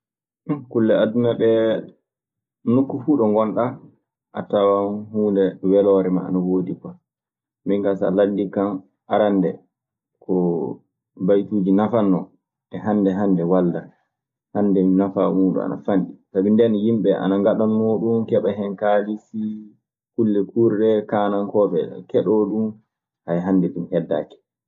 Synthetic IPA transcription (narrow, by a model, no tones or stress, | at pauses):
kulːɛadunaɓɛ | nukːufuːɗɔŋɡɔnɗa | ʔa̰tawanhuːndɛwɛlɔɾɛma̰a̰nawoːdikɔ | miŋkasa̰landːikam | ʔaɾandɛ̰ | kʰɔ | bajtuːd͡ʒinafanːɔ | ʔɛɦanːdɛɦandɛwalda | handɛmnafamuːɗṵa̰na̰fanɗisabindɛnjimɓɛa̰naŋɡaɗanmoɗumkɛɓaɦɛnkalisi | kulːɛkuɾɗɛkaːnankɔɓɛ̰kɛɗɔɗum | hajɦandɛɗumhɛdːa̰ːkɛ̥